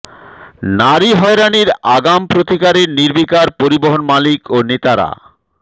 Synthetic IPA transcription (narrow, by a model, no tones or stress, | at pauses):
naɾiɦɔeɾaniɾaɡampɾot̪ikaɾeɾniɾbikaɾpoɾiboɦonmalikonet̪aɾa̰